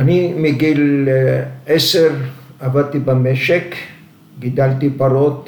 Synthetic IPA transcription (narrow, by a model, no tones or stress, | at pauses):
animiɡil | eseʁavad̪̚t̪ibemeʃek | ɡid̪alt̪ipaɾot̪